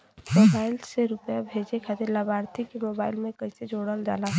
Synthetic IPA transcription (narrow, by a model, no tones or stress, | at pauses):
mobaɪlseɾupjabʱed͡ʒekʰat̪iɾləbaɾt̪ʰikemobaːɪlmẽkəɪsed͡ʒoɽəld͡ʒa̰la